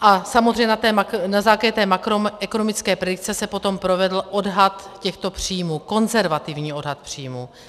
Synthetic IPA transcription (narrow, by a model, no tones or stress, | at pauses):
ʔasamod̪rɛjɲɛnat̪ɛmanazaːklaɟɛt̪ɛːmakɾomʔɛko̞no̞mɪt͡skɛːpɾɛdɪk̚t͡sɛsɛpo̞t̪o̞mpɾo̞vɛdl̩ʔo̞dɦat̪cɛxt̪o̞pr̝̥iːmuːko̞nzɛɾvat̪ɪvɲiːo̞dɦat̪̚pr̝̥iːmuː